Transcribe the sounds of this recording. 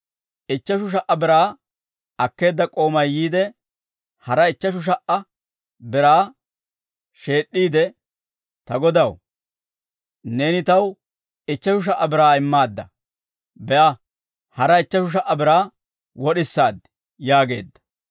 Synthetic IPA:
ʔɪt͡ʃːɐʃ̬ʊʃ̬ɐʔːɐbɪɾaː | ɐkːe̞ːd̪ːɐkʼo̞ːmɐjjiːd̪ɛ | hɐɾɐɪt͡ʃːɐʃ̬ʊʃ̬ɐʔɐ | bɪɾaː | ʃe̞ːɗːiːd̪ɛ | t̪ɐɡɔd̪ɐw | ne̞ːnɪt̪ɐw | ɪt͡ʃːɐʃʊʃ̬ɐʔːɐbɪɾaːɪmːaːd̪ːɐ̰ | bɛʔɐ | hɐɾɐɪt͡ʃːɐʃʊʃ̬ɐʔːɐbɪɾaː | wɔɗɪsːaːd̪ | jaːɡe̞̰ːd̪ːɐ̥

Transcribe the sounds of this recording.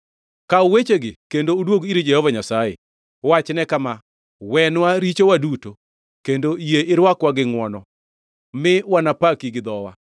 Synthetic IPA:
kaʊwet͡ʃeɡɪkendoʊdwoɡiɾid͡ʒɛhɔvaɲasajḛ | wat͡ʃnɛkama | wɛnwaɾit͡ʃowaduto | kendoijeʔɪɾwakwaɡɪŋwɔnɔ | mɪwanapakiɡɪd̪ɔwa

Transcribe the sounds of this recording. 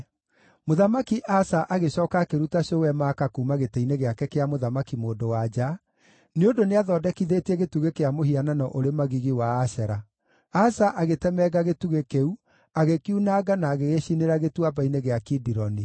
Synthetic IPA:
moðamakiʔasaʔaɣeɕɔːkakeɾutaɕowɛmaːkakuːmaɣeteineɣeakɛkeamoðamakimoːdowad͡ʒa | neondoneaðɔːdɛkiðeːtɛɣetuɣekeamohiananɔʔoɾemaɣiɣiwaːsɛɾa | asaʔaɣetɛmɛɣaɣetuɣekeu | aɣekiunaɡanaːɣeɣeɕineɾaɣetwabaineɣeakidiɾɔni

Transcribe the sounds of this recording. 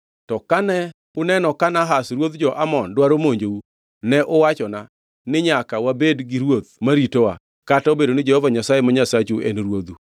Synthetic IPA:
tɔkanɛ | ʊnɛnɔkanaɦasɾwod̪d͡ʒɔʔamɔndwaɾomoɲd͡ʒou | nɛʔʊwat͡ʃɔna | nɪɲakawabedɡɪɾwot̪̚maɾitowa | kataobedonɪd͡ʒɛhɔvaɲasajemaɲasat͡ʃuʔḛnɾwod̪u

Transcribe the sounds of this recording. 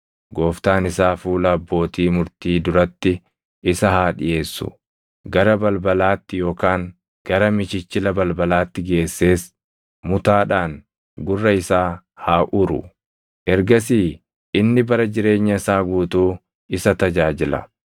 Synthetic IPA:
ɡo̞ːft̪aːnɪsaːfuːlɐɐbːo̞ːt̪iːmʊɾt̪iːd̪ʊɾɐt̪ːɪ | ɪsɐhaːᶑɪjʔe̞ːsːʊ̰ | ɡɐɾɐbɐlbɐlaːt̪ːɪjo̞ːkaːŋ | ɡ̥ɐɾɐmɪt͡ʃɪt͡ʃːɪlɐbɐlbɐlaːt̪ːɪɡe̞ːsːe̞ːs | mʊt̪aːᶑaːŋ | ɡʊrːɐɪsaː | haːʔʊɾʊ̰ | ʔɛɾɡɐsiː | ʔɪnːɪbɐɾɐd͡ʒɪɾe̞ːɲːɐɪsaːɡuːt̪uː | ɪsɐt̪ɐd͡ʒaːd͡ʒɪlɐ̰

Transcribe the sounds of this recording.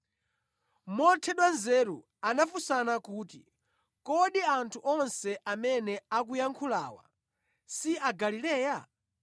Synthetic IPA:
mɔtʰɛɗwanzɛɾṵ | anafusanakuːtḭ | kɔɗiantʰuʔɔnsɛʔamɛnɛak̬ujaŋkʰula̰ːwa̰ | siaɡalilɛːja

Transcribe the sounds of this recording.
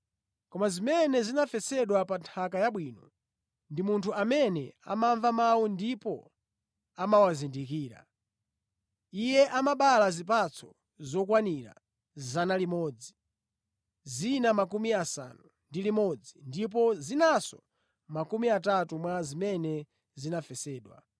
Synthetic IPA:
kɔmazimɛnɛzinafɛt͡sɛɗwapantʰakajaɓwiːnɔ | ndimuntʰuʔamɛnɛa̰maɱvamawundipɔ | amawazindikiːɾa̰ | ijɛʔamaɓalazip̬at͡sʰɔ | zɔkwaniɾa̰ | zzanalimɔːd͡zi | zinamak̬umiasa̰nu | ndilimɔd͡zindip̬ɔzinasɔ̰ | makumiatatumwazimɛnɛ | zinafɛsɛːɗwa̰

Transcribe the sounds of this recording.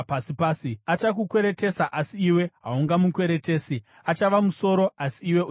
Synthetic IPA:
pasipaːsiat͡ʃak̬ukwe̞ɾe̞te̞saʔasiiwe̞ɦauŋɡamukwe̞ɾe̞te̞ːsi | at͡ʃaʋamuso̞ːɾo̞ʔasiːwe̞

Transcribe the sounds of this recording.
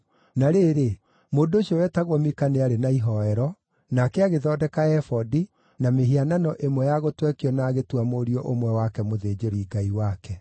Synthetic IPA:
naɾeːɾe | moːndooʃiɔwɛtaɣwɔmikaneaɾenaiɦɔɛɾɔ | nakɛaɣeðɔdɛkaɛfɔdi | nameɦiananɔʔemwɛjaɣotwɛkiɔnaːɣetwamoɾiɔʔomwɛwakɛmoðeːd͡ʒoɾiːɡaiwakɛ

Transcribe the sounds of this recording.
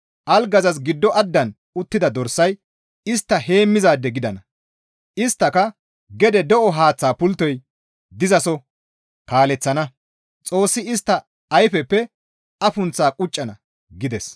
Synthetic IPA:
ʔɐlɡɐzɐs̬ɡɪd̪ːɔʔɐd̪ːɐn | ʊt̪ːɪd̪ɐd̪ɔɾsːɐj | ɪst̪ːɐhe̞ːmːɪzaːd̪ːɛɡɪd̪ɐnɐ | ʔɪst̪ːɐkɐ | ɡɛd̪ɛd̪ɔʔɔɦaːt͡sːaːpʊlt̪ːɔj | d̪ɪzɐsɔ | kaːlɛt͡sːɐnɐ | t͡sʼo̞ːsːɪɪst̪ːɐ | ɐjfɛpːɛ | ɐfʊnt͡sːaːkʼʊt͡ʃʼːɐnɐ | ɡɪd̪ɛs

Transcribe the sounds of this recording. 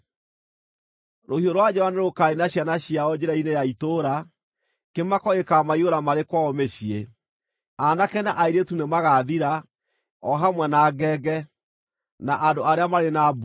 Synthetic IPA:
ɾohioɾwad͡ʑɛwaneɾokaenaɕjanaɕiaɔd͡ʑeɾainejaitoɾa | kemakɔekamaioɾamaɾekwaɔmeɕie | anakɛnaʔaiɾetunemaɣaðiɾa | ɔɦamwɛnaɡɛːɡɛ | naʔadoaɾeamaɾenab

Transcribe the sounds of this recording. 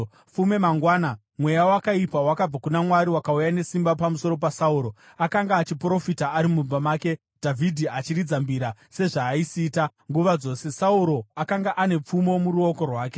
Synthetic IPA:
fume̞maŋɡwaːna | mwe̞jawakaipawakab͡vakunamwaɾiwakaujane̞simbapamuso̞ɾo̞pasauːɾo̞ | akaŋɡaːt͡ʃipro̞fitaːɾimub͡vamaːke̞ | d̥ʱavʱidʱiat͡ʃiɾid͡zambiɾase̞ʐaːisiːta | ŋɡuʋad͡zo̞ːse̞sauɾo̞akaŋɡaʔane̞p͡fumo̞muɾuo̞ko̞rwaːke̞̥

